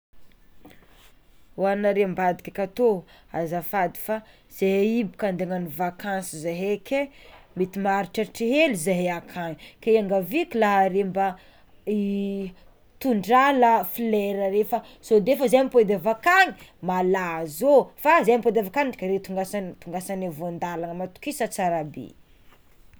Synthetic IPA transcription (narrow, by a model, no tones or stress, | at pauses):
wanaɾembad̪ikʲakʲat̪oa̰zafad̪i̥fa | z̥eɦeibi̥kand̪eŋanivakansizaɦekʲʰemit̪imaɾiʈ͡ʂaʈ͡ʂiɦelizeɦeakʰaɲikeaŋɡavikʲilaɦɾemba | i | t̪uɳɖ͡ʐaləfileɾəɾefəsod̪efəzamiped̪avakaŋi̥malazofazajmped̪avakaniʈ͡ʂkəɾet̪uŋɡasant̪uŋɡasanavond̪alaŋəmat̪u̥kisət͡saɾabḭ